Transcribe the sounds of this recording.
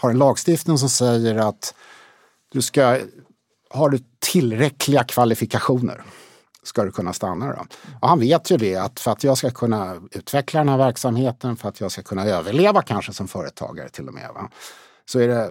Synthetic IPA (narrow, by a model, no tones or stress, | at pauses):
haɾɛnlɑːɡst̪ɪft̪nɪŋs̬ɔmsɛjːəɾat̪ | d̪̥ɵska | hɑːd̪ɵt̪ʰɪlːɾɛkʰlɪɡakʰvalɪfɪkaɧuːnə̰ɾ | skad̪ɵkʰɵnːast̪anːad̪ɔ̰ɔhanveːt̪ʰjɵd̪ɛat̪fœɾat̪jɑːɡskakʰɵnːaʉ̟ːt̪vɛklad̪ɛnhæɾvæɾksamheːt̪ənfœɾat̪ʰjɑːɡskakʰɵnːaøːvəɭeːvakʰanʂəsɔmfœːɾət̪ʰɑ̰ːɡa̰ɾə̰t̪ʰɪlːɔ̰mḛːva̰ | sɔæɖɛ